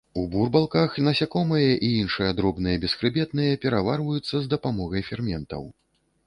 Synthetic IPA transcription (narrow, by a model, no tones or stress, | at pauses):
uburbalˠkaxnɐsʲakɔmɨjɐʔiinʂɨjɐd̪ɾɔbn̪ɨjɐbʲɛsxɾɨbʲɛt̪nɨjɐpʲɛɾavarvɐjut̪sːɐzd̪ɐpamɔɣɐjfʲɛrmʲɛnt̪ɐ̰w